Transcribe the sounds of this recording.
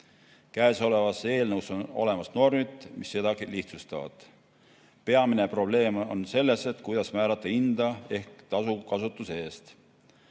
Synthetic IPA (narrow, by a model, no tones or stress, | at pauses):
kæːso̞le̞vɑsːee̞ːlnɤwso̞no̞̰le̞mɑsno̞rmit̪ːˑmisːe̞d̪ɑɡ̥iliht̪sust̪ɑ̰vɑ̰d̪̥ | pe̞ɑmine̞pro̞ble̞ːmo̞nse̞lːe̞set̪ˑkujd̪̥ɑsmæːɾɑt̪ːˑɑind̪̥ɑe̞hkt̪ɑsukɑsut̪ːˑuseeːst̪